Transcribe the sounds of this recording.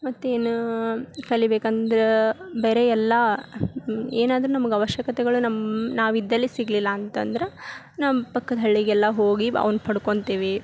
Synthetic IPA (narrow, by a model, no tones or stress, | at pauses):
mɐt̪ːueːnukɐɭibeːkɐnd̪ɐɾebeːɾeɛlːɐ | eːnaːd̪ɐɾunɐmɐɡɐʋɐʃjɐkɐt̪ɛɡɐɭunɐmnaːʋid̪ːɐlːisiɡlilːɐːnt̪ɐ̰nd̪ɐɾe | naːmɐpɐkːɐd̪ɐɐɭːiɡɛlːɐɦoːɡiɐ̰ʋnupɐɽuko̞ɳt̪iːʋi